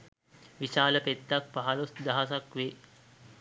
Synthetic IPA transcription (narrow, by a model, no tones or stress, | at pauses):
ʋiʃaːləpet̪ːak̚paɦɐlosd̪aɦasakʋe